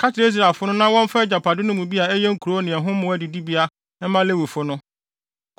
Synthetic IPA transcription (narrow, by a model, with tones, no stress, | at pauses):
kʰa˦t͡ɕɪ˨ɾe˦i˦s̬ɾa˨fʊ˦nʊ̃˦nã˦wɔ̃˦m˦fɛ˦d͡ʑa˨pʰa˨dɪ˦nʊ̃˦mũ˨bi˦a˨ɛ˦jɛ˦ŋ̩˦kʰu˨ɾo˦nɪ̃˨ɛ˨ɦʊ̃˦mʊ̃˨˦æ˦dɪ˨di˦bi˦a˦ | ɛ˦mã˦le˦˨wu˨fʊ˦nʊ̃˦